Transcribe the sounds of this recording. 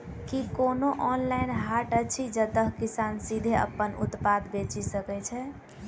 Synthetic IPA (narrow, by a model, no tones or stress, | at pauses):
kikonoʔɔnlainɦaʈət͡ʃʰid͡ʒət̪əɦkisansid̪ʱeə̰pːənṵt̪pad̪bet͡ʃisəkɛt͡ʃʰɛ